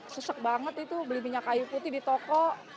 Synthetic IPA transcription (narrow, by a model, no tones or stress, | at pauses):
səsək̚baŋət̪it̪ubəlimiɲakajuput̪ɪhdit̪okɔʔ